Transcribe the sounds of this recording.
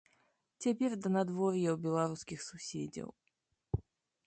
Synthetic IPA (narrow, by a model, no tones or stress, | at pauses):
t͡sʲap̬ʲerd̪ənad̪vɔrʲjɛwbʲɛlˠaɾuskʲixsʊsʲḛd͡zʲɐ̰w